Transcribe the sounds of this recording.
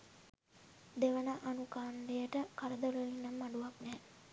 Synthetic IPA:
d̪eʋənaʔanukaːndejəʈəkaɾəd̪oləlinːamːaɖuʋaknɛː

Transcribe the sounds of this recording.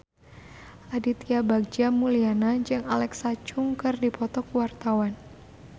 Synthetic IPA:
ʔadit̪iabaɡ̚d͡ʒamulianad͡ʒɨŋalɛksat͡ʃʊŋkɨrdipɔt̪ɔkuwart̪awan

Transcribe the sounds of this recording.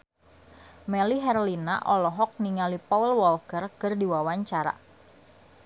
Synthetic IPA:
mɛliɦɛrlina̰ʔɔlɔɦɔk̚niŋalipaulwɔlkərkərdiwawaɲt͡ʃaɾa̰

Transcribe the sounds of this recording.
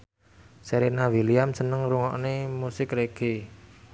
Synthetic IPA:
seɾenawiliamsənəŋɾuŋɔ̰ʔnemusɪkreɡ̥e

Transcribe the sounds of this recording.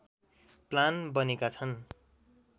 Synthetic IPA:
planbʌnekat͡sʰʌn

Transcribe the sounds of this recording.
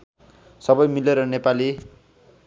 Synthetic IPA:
sʌbʌjmileɾʌnepali

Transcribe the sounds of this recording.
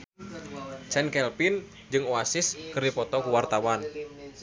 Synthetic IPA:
t͡ʃɛnkɛlpin | d͡ʒɨŋuasɪskɨrdipɔt̪ɔkuwart̪awan

